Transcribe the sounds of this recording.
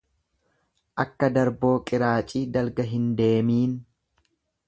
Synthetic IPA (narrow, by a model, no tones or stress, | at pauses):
ʔɐkːɐd̪ɐɾbo̞ːkʼɪɾaːt͡ʃʼiːd̪ɐlɡɐɦɪnd̪e̞ːmiːn